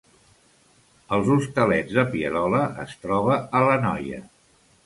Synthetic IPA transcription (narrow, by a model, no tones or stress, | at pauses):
əlˠzust̪əlɛd͡zðəpiəɾɔləə̰st̪ɾɔβəələnɔ̰jə̰